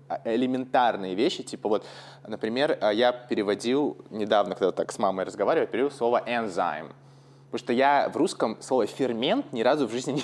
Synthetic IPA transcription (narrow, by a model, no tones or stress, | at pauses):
ɪlʲɪmʲɪnt̪arnɨjəvʲeɕːɪtʲipəvo̞t̪ | nəpɾʲɪmʲe̞rəjapʲɪɾʲɪvɐdʲilˠnʲɪd̪avnəkɐɡd̪at̪aksmaməjrəzɡɐvaɾʲɪvəjʲˠpɪɾʲɪdilˠsˠovəʔɛnza̰jm | oʂt̪ojavruskəmslˠo̞vəfʲɪrmʲe̞nt̪nʲɪɾazʊvʐɨzʲnʲɪnʲɪ